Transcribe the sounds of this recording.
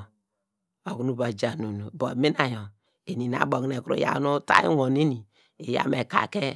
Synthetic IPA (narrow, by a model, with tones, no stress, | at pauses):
o˨knu˨ba˨d͡ʒa˨nu˨no˨bo˨mi˦na˨jo˨ | e˨ni˨na̰˨bo˨kne˨kɾo̰˨ja̰˦nu˦ta̰˦ḭ˦wo˨ne˦ni˨ | e˨ja̰˦me˨ka̰˨ke˦